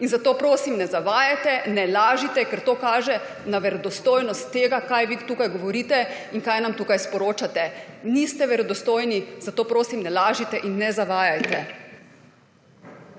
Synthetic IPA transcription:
inzat̪oːpɾoːsimnɛzaʋaːjajt̪ɛnɛlaːʒit̪ɛkɛɾt̪oːkaːʒɛ | naʋɛɾɔd̪ɔst̪oːjnɔst̪ːeːɡakajʋit̪uːkajɡɔʋɔɾiːt̪ɛiŋkaːjnamt̪uːkajspɔɾoːt͡ʃat̪ɛniːst̪ɛʋɛɾɔd̪ɔst̪oːjnizat̪oːpɾoːsimnɛlaːʒit̪ɛʔinːɛzaʋaːjajt̪ɛ

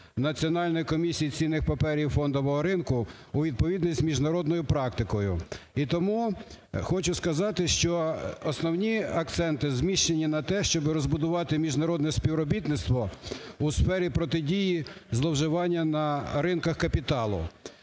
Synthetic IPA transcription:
nɐt͡sʲiɔnɑlʲnɔjikɔmʲisʲijit͡sʲinːɪxpɐpɛɾʲiwfɔnd̪ɔʋɔɦɔɾɪnkʊuʋʲid̪̚pɔʋʲid̪nʲisʲt̪ʲmʲiʒnɐɾɔd̪nɔjʊpɾɑkt̪ɪkɔjʊ̰it̪ɔmuxɔt͡ʃʊskɐzɑt̪ɪʃt͡ʃɔːsnɔwnʲiɐk̚t̪sɛnt̪ɪzmʲiʃt͡ʃenʲinɐt̪ɛʃt͡ʃɔbɪɾɔzbʊd̪ʊʋɑt̪ɪmʲiʒnɐɾɔd̪nɛspʲiwɾɔbʲit̪nɪt̪st̪ʋɔusfɛɾʲipɾɔt̪ɪdʲijizlˠɔwʒɪʋɑnʲːɐnɐɾɪnkɐxkɐpʲit̪ɑlˠʊ̰

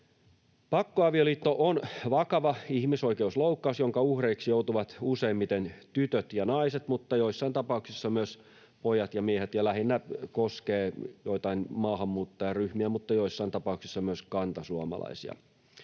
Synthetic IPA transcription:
pɑkːoɑʋioliːt̪ːoʔonʋɑkɑʋɑihmisoikeusloukːɑusjoŋkɑuhreiksijout̪uʋɑt̪useːmːit̪ent̪yt̪øt̪jɑnɑiset̪mut̪ːɑjoisːɑint̪ɑpɑuksisːɑmyøs | pojɑt̪jɑmiehet̪jɑlæhinːækoskeːjoit̪ɑinmɑːhɑmːuːt̪ːɑjɑryhmiæmut̪ːɑjoisːɑint̪ɑpɑˑuksisːɑmyøskɑnt̪ɑsuɑmɑ̰lɑ̰isḭɑ̰

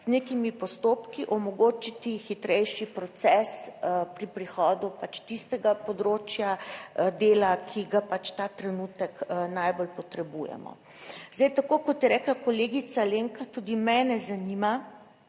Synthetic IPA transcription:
znekimipɔst̪oːpkiʔɔmɔɡoːt͡ʃit̪ixit̪ɾɛjʃipɾɔt̪sɛspɾipɾixɔːd̪upat͡ʃt̪ist̪ɛɡapɔd̪ɾoːt͡ʃjad̪eːlakʰiɡapat͡ʃt̪at̪ɾɛnut̪ɛknajbolpɔt̪ɾɛbujɛ̰mɔ̰ | zd̪ɛjt̪akoːkɔt̪jɛɾɛːklakoleːɡit̪saleŋkat̪ud̪imɛnɛzanima

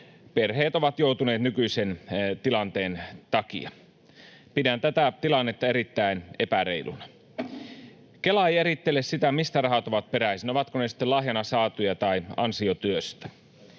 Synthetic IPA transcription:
perheːt̪oʋɑt̪jout̪une̞ːt̪nykyisent̪ilɑnt̪eːnt̪ɑkḭɑ | pidænt̪æt̪æt̪ilɑnːet̪ːɑeɾit̪ːæinepæreilṵnɑ | kelɑejeɾit̪ːelessit̪æmist̪ærɑhɑt̪oʋɑt̪̚peɾæisinoʋɑt̪konesi̥t̪ːelɑhjɑnɑsɑːt̪ujɑt̪ɑiɑ̰nsiot̪yøst̪æ̥

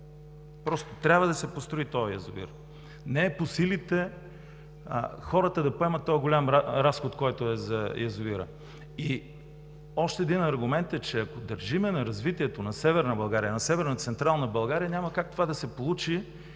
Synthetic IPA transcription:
pɾɔst̪ot̪ɾʲabvəd̪ɐsɛpost̪ɾoit̪ɔjɐjɐzʊḭɾ | nɛːposilit̪ɛ | xɔɾət̪əd̪ɐpoɛmɐt̪ːɔjɡolʲamɾasxot̪kɔjt̪oɛzɐjɐzʊiɾə̰ | i | ɔʃt̪ɛːd̪inɐɾɡʊmɛnt̪ɛt͡ʃɛɐkod̪ɐɾʒimɛnɐɾɐzvit̪iɛt̪onɐsɛvɛɾnəbɐlˠɡaɾiənɐsɛvɛɾnət̪sɛnt̪ɾalˠnɐbɐlˠɡaɾijɐnʲamɐkak̚t̪ovad̪ɐsɛpolˠut͡ʃi

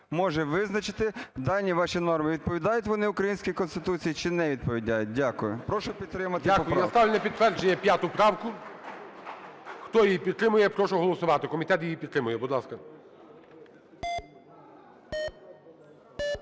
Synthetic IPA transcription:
mɔʒɛʋɪznɐt͡ʃɪt̪ɪd̪ɑlʲnʲiʋɑʃinɔrmɪʋʲid̪̚pɔʋʲid̪ɑjʊtʲʋɔnɪʊkɾɐjinʲsʲkʲikɔnst̪ɪt̪ut͡sʲijit͡ʃɪnɛʋʲid̪̚pɔʋʲidʲajʊt̚ʲdʲakʊjʊpɾɔʃʊpʲid̪t̪ːɾɪmɐt̪ɪakʊɾnɐst̪ɑʋlʲɐnɐpʲid̪̚t̪ʋɛrd͡ʒenʲːɐpʲjat̪ʊpɾɑwkʊ | xt̪ɔjijipʲid̪t̪ːɾɪmʊjɛpɾɔʃʊɔɦɔlˠɔsʊʋɑt̪ɪkɔmʲit̪ɛt̪jijipʲid̪t̪ːɾɪmʊjɛbʊd̪lˠɑskɐ

